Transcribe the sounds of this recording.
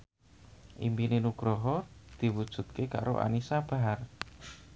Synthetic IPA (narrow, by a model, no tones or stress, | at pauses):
ʔḭmpinenuɡ̥ɾɔɦɔd̪̥i̤wud̥ʒ̥ṳt̪̚keka̰ɾo̰ʔa̰nisab̥a̤ɦar